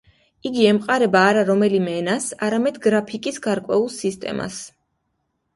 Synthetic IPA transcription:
iɡiɛmqʼaɾɛbaːɾaɾɔmɛlimɛːnasa̰ɾamɛd̪ɡɾapʰikʼisɡaɾkʼwɛ̰ulˠsist̪ʼɛ̰ma̰s

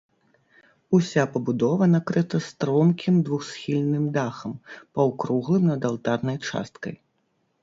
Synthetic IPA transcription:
usʲapɐbud̪ɔvɐnakɾɨt̪ɐst̪ɾɔmkʲʰimd̪vuxsxʲilʲnɨmd̪axɐmpɐwkɾuɣlˠɨmnɐd̪alˠt̪arnɐjt͡ʂa̰st̪kɐ̰j

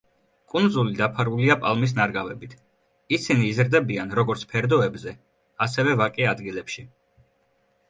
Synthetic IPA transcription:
kʼund̪zulid̪apʰaɾuliapʼalˠmis̬naɾɡavɛbit̪ʰ | isiniːzɾd̪ɛbianɾɔɡɔɾt̪sʰpʰɛɾd̪ɔɛbzɛ | asɛvɛvakʼɛad̪ɡilɛpʃi

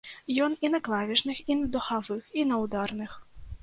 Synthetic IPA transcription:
jɔninɐklˠavʲiʂnɨxinɐd̪ɔxavɨxinɐwd̪arnɨx

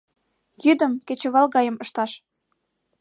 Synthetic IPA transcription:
jyd̪ə̆mket͡ɕə̆βɑlɣɑjə̆məʃt̪ɑʃ

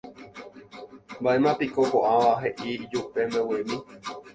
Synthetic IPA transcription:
mbaʔe̞mãpikokoʔãʋaɦe̞ʔid͡ʒupe̞mbewimĩ

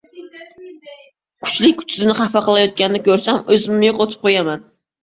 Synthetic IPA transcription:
kʲʰʊ̥t͡ʃlɪk̚ʲkʲʰy̥t͡ʃʰɪzɪnɪχæfɑqlˠajɒt̪̚kʲanɪd̪ɪkʲʰɵɾsæmɵzɪmːɪjoqot̪ʰɨ̥p̚qʰojamɛn

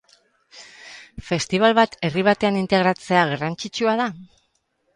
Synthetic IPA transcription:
fe̞st̪iβ̞alβat̪e̞riβ̞at̪e̞anint̪e̞ɣ̞ɾat͡se̞aɣarant͡ʃit͡ʃuað̞a

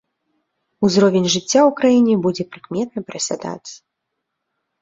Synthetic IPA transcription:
uzɾɔvʲenʲʐɨt͡sʲːaukɾajinʲɛbud͡zʲɛpɾɨkmʲɛt̪̚nɐpɾɐsʲa̰d̪a̰t͡sʲ

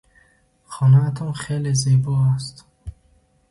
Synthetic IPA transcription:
χɔnaːt̪ʰɔmχelizebɔːast̪

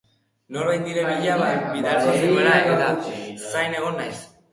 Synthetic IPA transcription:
no̞ɾβajt̪̚iɾeβiʎaβabiðaɾoiɾueɾaenet̪asajne̞ɣ̞o̞najs

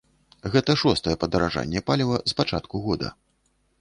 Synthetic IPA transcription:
ɣɛt̪ɐʂɔst̪ɐjɛpɐd̪ɐɾaʐa̰nʲːɛpalʲivɐspat͡ʂat̪kuɣɔd̪ɐ̰

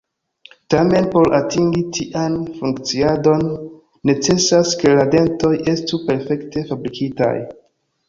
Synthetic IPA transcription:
tame̞npo̞ɾʔatiŋɡitʰiʔanfuŋkt͡siado̞nː | e̞t͡se̞saske̞lade̞nto̞jʔe̞stupe̞ɾfe̞kte̞fabɾikʰita̰j

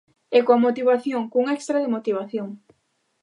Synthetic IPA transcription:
ɛkoamot̪iβaθjoŋkuŋɛkst̪ɾaðɪmot̪iβaθjoŋ

